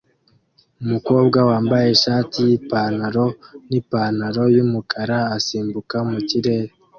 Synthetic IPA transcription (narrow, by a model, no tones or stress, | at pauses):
umuko̞ːb̚ɡawaːmbaje̞ʃaːtijipaːnaɾo̞nipanaɾo̞jumukʰaɾaːsiːmbukamuciɾe̞ːɾe